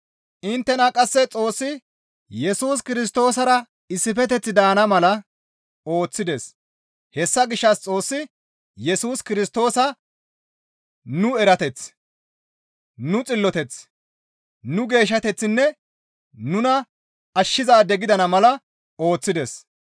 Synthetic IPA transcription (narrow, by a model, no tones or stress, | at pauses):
ʔɪnt̪ːɛnɐkʼɐsːɛt͡sʼo̞ːsːɪ | jɛsuːs̬kɪɾɪs̬t̪o̞ːsɐɾɐ | ɪsːɪfɛt̪ɛt͡sːɪd̪aːnɐmɐlɐ | o̞ːt͡sːɪd̪es | hɛsːɐɡɪʃːɐst͡sʼo̞ːsːɪ | jɛsuːskɪɾɪst̪o̞ːsɐ | nʊɛɾɐt̪ɛt͡s | nʊt͡sʼɪlːɔt̪ɛt͡s | nʊɡe̞ːʃ̬ːɐt̪ɛt͡sːɪnːɛ | nʊnɐ | ɐʃːɪzaːd̪ɛɡɪd̪ɐnɐmɐlɐ | o̞ːt͡sːɪd̪ɛs